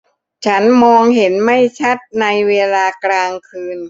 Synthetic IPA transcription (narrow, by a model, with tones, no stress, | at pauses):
t͡ɕʰa˦˥nmɔː˧ŋɦe˩˦nma˥˩jt͡ɕʰa˦˥˩t̪̚na˧jweː˧laː˧klaː˧ŋkʰɯː˧n